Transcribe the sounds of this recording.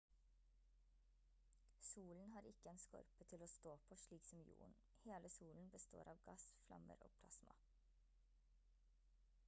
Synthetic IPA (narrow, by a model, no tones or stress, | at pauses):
suːln̩hɑːɾɪkəeːnskɔ̰ɾpət̪ʰɪloːst̪oːpʰoːʃliːksɔm̩jṵːɳ̩ | heːləsuːln̩bəst̪o̰ːɾʔɑːʋɡɑsflɑ̰mə̰ɾo̰ːpʰlɑsmɑ̰